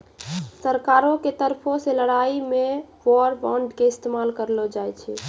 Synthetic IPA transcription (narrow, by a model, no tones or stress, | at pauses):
səɾkaɾoket̪əɾpʰoseləɽaimeʋɔɾbɔ̃ɳɖkeɪst̪emalkəɾlɔd͡ʒajt͡ʃʰɛ